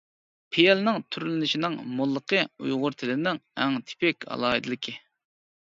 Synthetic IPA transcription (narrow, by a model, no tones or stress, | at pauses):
pʰejɛlnɪŋt̪ʰyɾlɪnɪʃinɪŋmolˠːəqʰəṵjʁʊɾt̪ʰɪlɪnɪŋɛŋt̪ʰɪ̥pɛkʲɑ̰lˠɑːɨd̪ɨlˠɪkʲʰɪ